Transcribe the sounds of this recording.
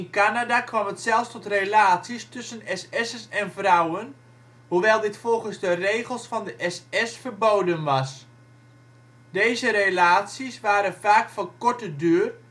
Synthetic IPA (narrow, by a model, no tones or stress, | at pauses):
ɪnkanadakʋɑmɦətsɛlˠfstɔtrelaːtsistʏsənɛsɛsənɛnvrʌwən | ɦuʋɛjlˠdɪtfɔlˠχənzdərejχəlˠsfɑndəʔɛsɛsfəɹbowdənʋɑs | dejzəɾelaːtsisʋaːɾənvaːkfɔnkɔɹtədyːr